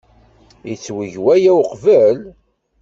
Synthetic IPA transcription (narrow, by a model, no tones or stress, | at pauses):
it͡sːwəʝwæjæwqvəl